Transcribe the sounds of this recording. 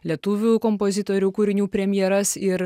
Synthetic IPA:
lʲiɛt̪uːʋʲuːkɔmpozʲɪt̪oːɾʲuːkuɾʲɪnʲuːpʲɾʲɛmʲjɛɾɐsɪɾ

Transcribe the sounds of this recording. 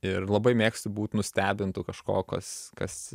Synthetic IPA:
ɪrlˠɐbɐɪmʲeːksʲt̪ʊbuːt̪ʲnʊsʲt̪ʲæːbʲɪnt̪ʊkɐʃko̰ːkɐskɐs

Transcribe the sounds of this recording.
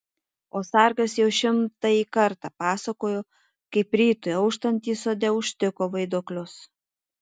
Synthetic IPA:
oːsɑɾɡɐsjɛʊʃʲɪmt̪ɐikɐɾt̪ɑpɑːsɐkoːjoː | kɐɪpɾʲiːt̪ojɐʊʃt̪ɐnʲt̪ʲiːsoːd̪ʲɛʊʃʲt̪ʲɪkoːʋɐɪd̪oːklʲʊs

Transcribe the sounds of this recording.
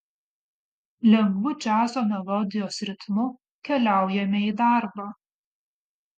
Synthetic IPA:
lʲɛŋɡʋʊt͡ʃʲæːsoːmʲɛlˠɔd̪ʲɪjoːsɾʲɪt̪mʊ | kʲɛlʲæˑʊjɛmʲeiːd̪ɑˑɾbɑː

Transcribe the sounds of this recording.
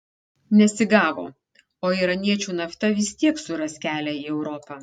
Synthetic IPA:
nʲɛsʲɪɡɑːʋo̰ː | oːiːɾɐnʲiɛt͡ʃʲuːnɐft̪ɐʋʲɪst̪ʲiɛksʊɾɐsʲkʲæːlʲæiːɛʊɾɔpɑ

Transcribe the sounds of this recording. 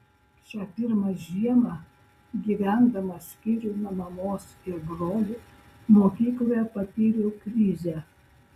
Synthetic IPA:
ʃʲæːpʲɪɾmɐʒʲiɛmɑ | ɡʲiːʋʲæˑnd̪ɐmɐsʲkʲiːɾʲunɐmɐmoːsɪɾbɾoːlʲʊ | moːkʲiːklˠoːjɛpɐpʲiːɾʲukɾʲiːzʲæː

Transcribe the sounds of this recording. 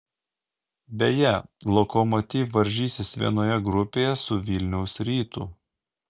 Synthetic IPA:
bʲejɛlˠɔkɔmɔt̪ʲiːfʋɐɾʲʒʲiːsʲɪsʋʲiɛnoːjɛɡɾʊpʲeːjɛsʊʋʲɪlʲnʲɛʊsɾʲiːt̪uː

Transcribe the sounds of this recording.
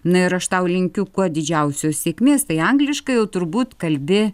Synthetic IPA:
nʊɪɾɐʃt̪ɐʊlʲɪŋʲkʲʊkuɔd̪ʲɪd͡ʒʲɛʊsʲoːssʲeɛkʲmʲeːst̪ɐɪɐŋɡlʲɪʃkɐɪjɛʊt̪ʊɾbuːt̪kɐlʲbʲɪ

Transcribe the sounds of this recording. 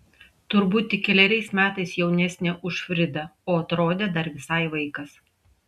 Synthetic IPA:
t̪ʊɾbuːt̪ʲɪkʲɛlʲɛɾʲɛɪsmʲæːt̪ɐɪsjɛʊnʲɛsʲnʲeʔʊʃfʲɾʲɪd̪ɐoːɐt̪ɾoːd̪ʲeːd̪ɐɾʋʲɪsɐɪʋɐɪkɐs

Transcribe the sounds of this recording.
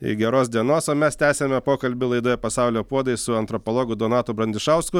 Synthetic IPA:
ɪ̰ɡʲɛɾoːsd̪ʲiɛnoːsoːmʲɛst̪ʲæːsʲemʲɛpoːkɐlʲbʲɪlˠɐɪd̪oːjɛpɐsɑˑʊlʲoːpuɔd̪ɐɪssʊɐnt̪ɾɔpolˠɔːɡʊd̪onɑːt̪ʊbɾɐnʲd̪ʲɪʃɑʊskʊ

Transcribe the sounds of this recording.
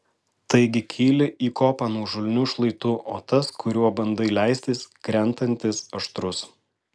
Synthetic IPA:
t̪ɐɪɡʲɪkʲʰiːlʲɪʔiːkoːpɑːnuɔʒʊlʲnʲuʃlˠɐɪt̪ʊʔoːt̪ɐskʊɾʲuɔbɐnd̪ɐɪlʲæˑɪsʲt̪ʲɪskɾʲɛnt̪ɐnʲt̪ʲɪsɐʃt̪ɾʊs

